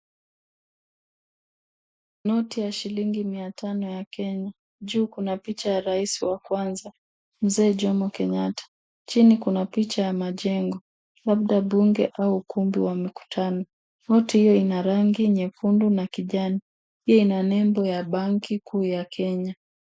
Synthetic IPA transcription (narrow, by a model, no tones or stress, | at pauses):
nɔtijaʃiliŋɡimiatanɔjakɛɲa | ʄuːkunapit͡ʃajaɾaisiwakwanza | m̩zɛːʄɔmɔkɛɲatʰḁ | t͡ʃinikunapit͡ʃajamaʄɛŋɡɔ | laɓ̚ɗaɓuŋɡɛʔauːkumbiwamiku̥tʰanɔ | nɔtihijɔinaɾaŋɡiɲɛfundunakiʄani | piɛinanɛmbɔjaɓaŋkikʰuːjakʰɛɲa